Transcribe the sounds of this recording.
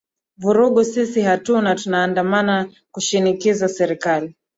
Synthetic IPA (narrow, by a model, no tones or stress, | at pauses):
vuɾuɠusisihatunatunaːndamana | kuʃinikizasɛɾikali